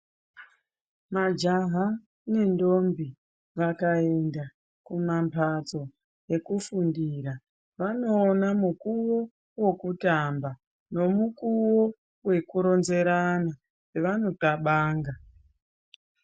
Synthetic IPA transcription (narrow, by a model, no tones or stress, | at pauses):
mad͡ʒaɦa | ne̞ndo̞mbi | ʋakaenda | kumampʰat͡so̞ | je̞kufundiɾa | ʋano̞ːnamukuwo̞ | wo̞kutamba | no̞mukuwo | we̞kuɾo̞nze̞ɾana | eʋano̞taɓaːŋɡa